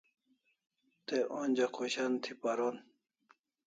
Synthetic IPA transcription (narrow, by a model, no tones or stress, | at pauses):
t̪eʔoːnʲd͡ʑɐkʰoɕant̪ʰipaɾon